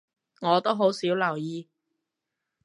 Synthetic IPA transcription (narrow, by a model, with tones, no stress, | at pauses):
ŋɔː˨˧t̪o˥wɦo˨˥wsiː˨˥wlɐ˨˩wjiː˧